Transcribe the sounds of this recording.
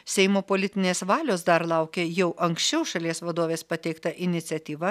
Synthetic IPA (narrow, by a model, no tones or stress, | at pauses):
sʲɛɪmoːpoːlʲɪt̪ʲɪnʲeːsʋɑːlʲoːsd̪ɐɾlˠɑʊkʲeːjɛʊʔɐŋksʲt͡ʃʲɛʊʃɐlʲiɛsʋɐd̪oːʋʲeːspɐt̪ʲɛɪkt̪ɐʔɪnʲɪt̪sʲɛt̪ʲiːʋɐ